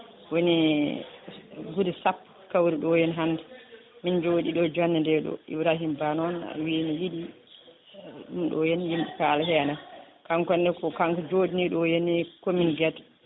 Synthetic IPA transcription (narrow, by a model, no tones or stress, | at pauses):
woni | ɡudɛsapː | kawɾiɗɔjɛnɦandɛ | mind͡ʒoɗiɗɔd͡ʒanːɛndɛɗɔ̰ḭwɾaɦimbanɔna̰winijiɗi | ɗumɗɔjɛnjimɗikalahɛna | kaŋkɔndɛkɔkaŋkɔd͡ʒodiniɗɔjenːikɔminɡɛt